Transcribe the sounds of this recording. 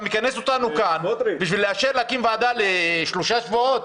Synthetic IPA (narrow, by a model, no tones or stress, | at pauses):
mikaneso̞t̪anukanbiʃvilːeaʃeɾleakimvaːd̪aleʃloʃaʃvoot̪̚